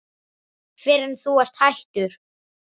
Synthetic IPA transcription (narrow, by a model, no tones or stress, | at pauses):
fɪɾɪnθuɛr̥t̪hajht̪ʏɾ̥